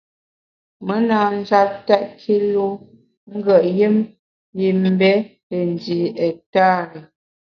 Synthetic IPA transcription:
mə˦naː˨n̩˦d͡ʒa˦tɛ˦ʔkʰi˦lu˦ | ŋ̩˦ɡə˨ʔjə˦m | ji˨m˦bɛ˦le˨n˨di˨ɛ˨ta˦˨ɾə˨

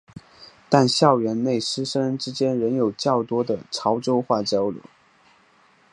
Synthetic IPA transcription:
t̪a˥˧nɕjɑ˥˩ʊɥɛ˧˥nne˥˩ɪʂɻ̩˥ʂə˥ŋʈ͡ʂɻ̩˥t͡ɕjɛ˥nɻə˧˥njo˨˩ʊt͡ɕjɑ˥˩ʊt̪wɔ˥d̪ə˨ʈ͡ʂʰɑ˧˥ʊʈ͡ʂo˥ʊxwa˥˩t͡ɕɑ˥ʊlṵ˨˩˦

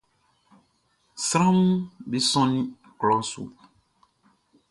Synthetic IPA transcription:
sɾã˦m˦bi˦sɔ̃˦nĩ˦ | klɔ˦sṵ˨

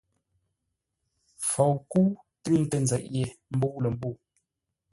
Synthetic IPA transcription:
fo˨wku˦ | tʉ˦ŋ˦tə˨nzɛ˨ʔje˨m̩˦bo˦lə˨m˦bo˦˨

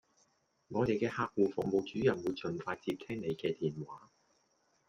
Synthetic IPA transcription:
ŋɔː˨˧t̪e˨jkɛː˧haː˧˥k̚wuː˨˩fʊ˨mo˨˧wt͡ʃyː˨˥jɐ˨˩nwuː˨˧jt͡ʃɵ˨˩nfaː˧jt͡siː˧p̚t̪ʰɛː˥ŋne˨˧jkɛː˧t̪iː˨˩nwaː˨˥

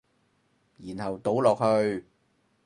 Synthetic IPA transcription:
jiː˨˩nhɐ˨wt̪o˨˥wlɔː˨k̚hɵ˧ɥ

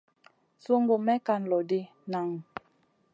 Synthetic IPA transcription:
so˦ŋɡo˨mɛ˦ka˦˨n̩˨lɔ˨di˦ | na˨ŋ˨

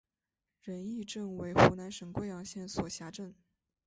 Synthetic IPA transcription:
ɻə˧˥ni˥˧ʈ͡ʂə˥˩ŋwe˧˥ɪxu˧˥na˧˥nʂə˨˩ŋkwe˥˩ɪjɑ˨˥˩ŋɕjɛ˥˩nswɔ˨˩ɕja˧˥ʈ͡ʂə˥˩n

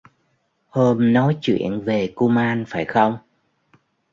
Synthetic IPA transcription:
hoː˧mnɔ˨˦jt͡ɕwḭ˧˨ənve˨˩ku˧maː˧nfaː˧˩jxə˧wŋ͡m

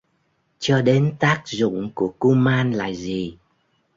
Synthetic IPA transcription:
t͡ɕɔ˧ɗe˨˦nt̪aː˦˥k̚zʊ̰˧˨ŋ͡mku˧˩əku˧maː˧nla̰ː˧˨jzi˨˩

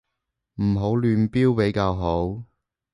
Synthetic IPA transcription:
m̩˨˩ɦo˨˥wlyː˧npiː˥wpe˨˥jkaː˧wɦo˨˥w

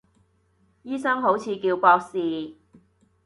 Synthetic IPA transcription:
jiː˥sɐ˥ŋɦo˨˥wt͡sʰiː˨˧kiː˧wkɔː˧k̚siː˨

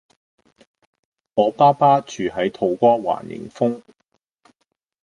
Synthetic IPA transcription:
ɔː˨˧paː˥paː˥t͡ʃyː˨ɦɐ˨˥jt̪ʰo˨˧wkʷɔː˥wa̰ː˨˩njɪ̰˨˩ŋfʊ˥ŋ

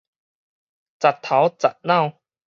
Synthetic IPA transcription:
t͡sa˨˩t̪ʰːa˨˥wt͡sa˨˩t̚nã˥˧˨w

